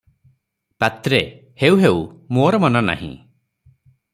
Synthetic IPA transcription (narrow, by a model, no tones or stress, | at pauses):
pat̪ɾe | hewɦewmoɔɾɔmɔnana̰ɦḭ̃